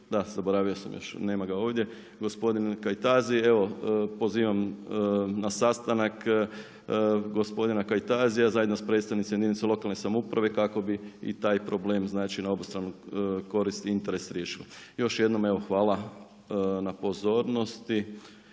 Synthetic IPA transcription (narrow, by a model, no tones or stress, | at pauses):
d̪az̥aboɾaːʋiosa̰mjo̰ʃne̞ːmaɡao̞ːʋd̪je̞ | ɡospo̞d̪inkajt̪aːzie̞ʋo̞po̞ziːʋam | nasast̪anak | ɡo̞spo̞d̪inakajt̪aːzijazaːje̞d̪nospɾed̪st̪aʋnit̪sejed̪init̪selˠo̞kalˠne̞samoupɾʔaʋe̞kako̞biḭt̪aːjpɾo̞ble̞ːmznaːt͡ʃinao̞bust̪ɾaːnuko̞ɾist̪iint̪e̞ɾe̞sɾje̞ːʃilojo̞ʃje̞d̪no̞me̞ʋo̞xʋaːlˠa | napo̞zo̞ːɾno̞st̪i